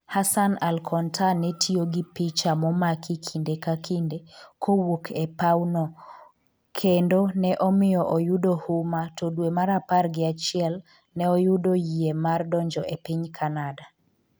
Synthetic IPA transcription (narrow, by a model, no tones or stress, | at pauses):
hasanalkʰɔntʰanɛtʰioɡɪpɪt͡ʃamɔmakʰikʰindekakʰindekʰowokʰɛpaunɔ | kʰendonɛʔɔmɪjɔʔojudohʊmatodwemaɾaparɡɪat͡ʃɪɛl | nɛɔjudojiemardɔɲd͡ʒɔʔepɪɲkʰanada